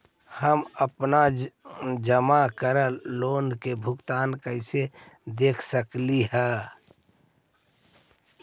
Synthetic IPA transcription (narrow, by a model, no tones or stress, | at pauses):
həməpna | d͡ʒəmakəɾəloːnkebʱʊɡt̪aːnkəɪse | d̪eːkʰsəkliɦɛː